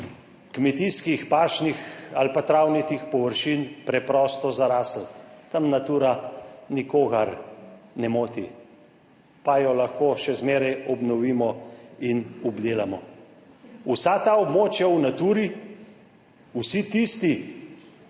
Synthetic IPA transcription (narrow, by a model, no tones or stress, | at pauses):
kmɛt̪iskixpaːʃnixalpat̪ɾawnit̪ixpɔʋəɾʃinpɾɛpɾɔst̪ɔzaɾaːsəlt̪ɐmnat̪uːɾanikoːɣaɾnɛmoːt̪i | pajɔlaxkoːʃɛzmeːɾajɔbnɔʋiːmɔinɔbd̪eːlamɔ | usat̪aɔbmoːt͡ʃjawnat̪uːɾi | usit̪ist̪i